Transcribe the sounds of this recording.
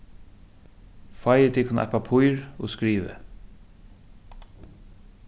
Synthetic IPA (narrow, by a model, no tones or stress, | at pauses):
fajət̪ʰɪkʰʊn̰ʔɛ̰papʰʊjɹɔskɾiːʋə̰